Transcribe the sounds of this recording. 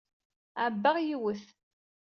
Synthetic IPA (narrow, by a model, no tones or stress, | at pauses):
æbːaʁjiwəθ